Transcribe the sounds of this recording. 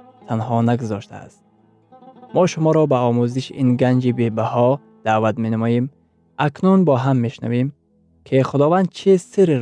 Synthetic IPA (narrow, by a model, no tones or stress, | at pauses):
t̪ʰanɦɔnaɡuzɔʃt̪ʰa̰a̰st̪̚ | mɔʃumɔɾɔbaɔmuziʃinɡand͡ʒibebahɔ | d̪̥avat̪menamɔjem | akʰnunbɔɦamːeʃna̰vem | kʰiχʊd̪ɔvand̪̚t͡ʃʰisiɾi